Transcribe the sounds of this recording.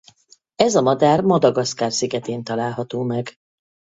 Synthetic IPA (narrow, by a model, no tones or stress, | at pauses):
ɛzɒmɒd̪aːrmɒd̪ɒɡɒskaːrsiɡɛt̪eːnt̪ɒlaːlɦɒt̪oːmɛɡ